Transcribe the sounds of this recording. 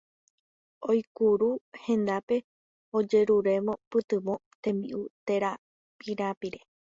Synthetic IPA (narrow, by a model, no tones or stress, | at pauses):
ojkuɾuhẽ̞nd̪ape̞ | od͡ʒe̞ɾuɾe̞mõ̞pɨt̪ɨmõt̪ẽ̞mbḭʔut̪e̞ɾa | piɾapiɾe̞